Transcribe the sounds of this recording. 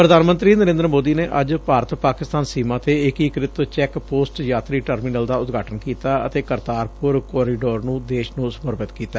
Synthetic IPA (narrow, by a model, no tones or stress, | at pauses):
pɾəd̪ʱaːnmənt̪ɾiːnəɾẽːnd̪əɾəmoːd̪iːneːʔəd͡ʒpaːɾət̪paːkɪst̪aːnsimãːt̪eːɪkikɾɪt̪t͡ʃɛːkpoːsʈjaːt̪ɾiːʈəɾmiːnəld̪aːʊt̪ɡʱaːʈənkiːt̪aːə̰t̪eːkəɾt̪aːɾpʊɾkɔːɾiːɖoːɾnũːd̪eːʃnũːsəməɾbət̪kiːt̪aː